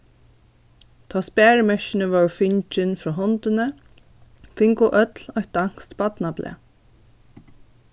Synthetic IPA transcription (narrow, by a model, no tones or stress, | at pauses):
t̪ʰaːspæːɹmɛʃɪnəʋɔfɪɲt͡ʃɪnfɾɔːɦɔnt̪ɪnə | fɪŋkʊʔœt̪lɔjht̪̚d̪aŋ̥st̪bat̪naplʔɛ̰ː